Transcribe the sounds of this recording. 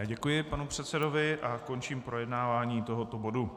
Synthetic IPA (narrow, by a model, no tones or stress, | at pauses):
ɟɛkujɪpanupr̝̥ɛt̪sɛdovɪʔako̞nt͡ʃiːmpɾʔo̞jɛdnaːvaːɲiːt̪o̞ɦo̞t̪o̞bo̞du